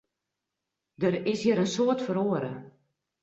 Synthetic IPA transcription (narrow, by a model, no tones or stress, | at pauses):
dərɪshiəɾənsoətfəɾoːəɾə